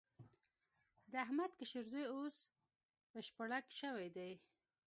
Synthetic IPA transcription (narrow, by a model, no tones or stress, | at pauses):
d̪əaɦmad̪kaʃɪɾzojos | bəʃpaɽakʃəwajd̪aj